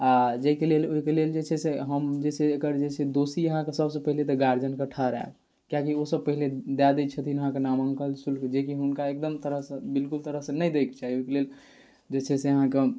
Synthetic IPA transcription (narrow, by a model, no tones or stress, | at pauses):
ad͡ʒekeleloikeleld͡ʒet͡ʃʰɛseɦəmd͡ʒesʰeːkəɾd͡ʒet͡ʃʰed̪osiəɦãkesəbsə̃pəɦilet̪ɔɡaɾd͡ʒənkəʈʰaɾa̰b | kjakiosəb̚pəɦiled̪ad̪ɛt͡ʃʰət̪ʰinəɦãkenaməŋkəlsulked͡ʒekiɦunkaek̚d̪əmt̪əɾəɦsə̃bilkult̪əɾəɦsẽnəjd̪ekt͡ʃaɦioikelel | d͡ʒet͡ʃʰɛseəɦãke